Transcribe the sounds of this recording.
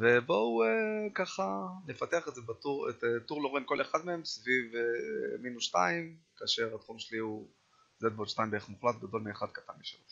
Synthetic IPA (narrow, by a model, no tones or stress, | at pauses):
vebo̞uekaχanefat̪e̞aχetzebat̪uʁetet̪uʁloʁimko̞leχad̪meemsvivminuʃtaimkaːʃe̞ʁat̪χumʃeliu | zed̪̚bod̪ʃtaimbeeχmuχlat̪ɡad̪o̞lmeːχad̪̚kat̪anmiʃeo